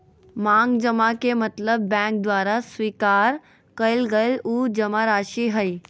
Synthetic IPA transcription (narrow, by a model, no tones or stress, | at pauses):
mãŋɡd͡ʒəmakemət̪ləbːɛ̃k̚d̪ʋaːɾasʋikaːɾ | kəjlɡəjlud͡ʒəmaɾaʃiɦəj